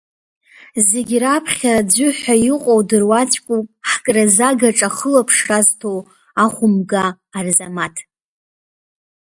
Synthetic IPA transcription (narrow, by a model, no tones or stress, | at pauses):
zeɡʲrapʰχʲad͡ʒʷʊħʷajɪqʼowdɨrwat͡ʃʷʼkʷʼupʼħkʼrazaɡaʈ͡ʂʼaχəlapʰʂraztʰow | aχʷʊmɡaː | rzamatʰ